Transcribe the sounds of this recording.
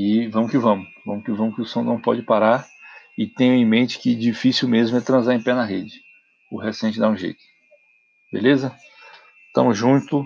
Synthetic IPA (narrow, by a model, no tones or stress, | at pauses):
ɪvɐ̃mʊkɪvɐ̃mʊvɐ̃mʊkɪvɐ̃mʊkɪʊsɐ̃w̃nɐ̃w̃pɔ̰d͡ʒɪpaɾaɾ | ɪt̪ẽj̃ʊ̃ẽmẽnt͡ʃɪ̥kɪd͡ʒifisiwmezmʊɛt̪ɾɐ̃zaɾẽj̃pɛnɐɦed͡ʒɪ | ʊɦesẽnt͡ʃɪd̪aũʒḛjt̪ʊ̥ | bḛlezɐ | t̪ɐ̰̃mʊzʒũnt̪ʊ